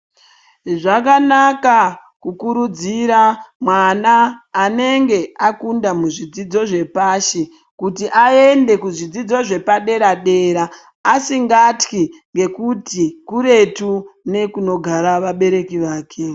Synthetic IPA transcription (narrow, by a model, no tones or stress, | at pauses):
ʐakanakakukuɾud͡ziɾamwanaːne̞ŋɡe̞akundamuʐid͡zid͡zo̞ʐe̞paʃe | kutiʔae̞nde̞kuʐid͡zid͡zo̞ʐe̞paɗe̞ɾaɗe̞ɾaː | siŋɡatkiŋɡe̞kutikuɾe̞tune̞kuno̞ɡʱaɾaʋaɓe̞ɾe̞kiʋaːke̞